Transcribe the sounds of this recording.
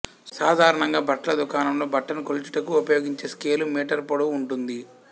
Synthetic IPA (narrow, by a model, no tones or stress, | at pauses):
saːd̪ʱaːɾɐɳɐŋɡaːbʱɐʈːɐlɐd̪ukaːnɐmlo̞ːbʱɐʈːɐnkolut͡ʃu̥ʈɐkuupɐjoːɡiɲt͡ʃe̞ːske̞ːlumiːʈɐɾpoɽɐuɳʈund̪i